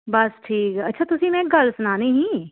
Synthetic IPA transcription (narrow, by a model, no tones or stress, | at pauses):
bɐsʈʰiːkɦɐtːʃʰat̪ʊsimẽɡɐlsʊnaːneɦĩ